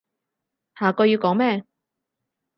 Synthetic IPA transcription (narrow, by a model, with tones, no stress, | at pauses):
haː˨˩kɔː˧jiː˧wkɔː˨˥ŋmɛː˥˧